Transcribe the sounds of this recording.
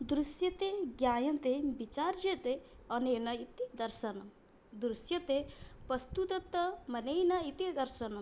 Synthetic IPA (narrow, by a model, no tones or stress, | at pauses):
d̪ɾusjɐt̪eɡjaːjɐnt̪ebit͡ʃaːɾd͡ʒet̪e | ɐnejnɐit̪id̪ɐɾʃɐnɐm | d̪ɾusjɐt̪epɐst̪ut̪ɐt̪ːɐmɐnejnɐit̪id̪ɐɾʃɐnɐm